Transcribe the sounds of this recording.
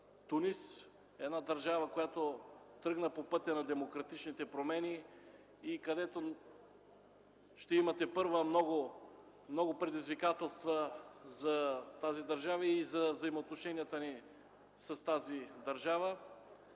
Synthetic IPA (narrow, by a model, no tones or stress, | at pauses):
t̪unis | ɛd̪nad̪ɐɾʒavəkojat̪o | t̪ɾɤɡnəpopɤt̪ʲɐnɐd̪ɛmokɾɐt̪it͡ʃnit̪ɛpɾomɛniː | kɐd̪ɛt̪o | ʃt̪ɛimɐt̪ɛpɤɾvəmnɔɡʊ | mnɔɡʊpɾɛd̪izvikat̪ɛlˠst̪vəzɐt̪azid̪ɐɾʒavəizɐvzɐimoːt̪noʃɛniət̪əni | sɐst̪azid̪ɐɾʒavə